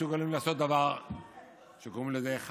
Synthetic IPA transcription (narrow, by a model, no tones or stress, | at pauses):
suɡalimlaːso̞t̪̚d̪avaʁ | ʃekoʁimlezeːχ